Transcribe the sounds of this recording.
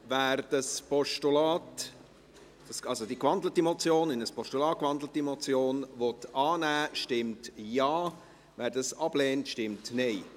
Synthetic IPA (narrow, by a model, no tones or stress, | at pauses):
væːɾd̥ɑspɔʃtulaːt | sɑlzodikʋɑndlətimɔt͡sjoːnɪnəspɔʃtulɑːtkʋɑndlətimɔt͡sjoːnvɔtɑːnæːʃtɪmtjɑː | væːɾdɑsɑb̥leːntʃtɪmtneɪ